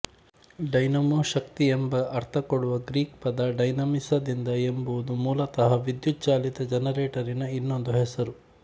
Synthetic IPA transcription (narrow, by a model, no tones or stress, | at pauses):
ɖɐjnɐmoːʃɐkt̪iembɐʔːɾt̪ʰɐkoɽuʋɐɡɾiːkpɐd̪ɐɖɐjnɐmisɐd̪ind̪ɐembuʋud̪umuːlɐt̪ɐɦɐʋid̪jut̪̚t͡ʃaːlit̪ɐd͡ʒɐnɐɾeːʈɐɾinɐinːond̪uɦɛsɐɾu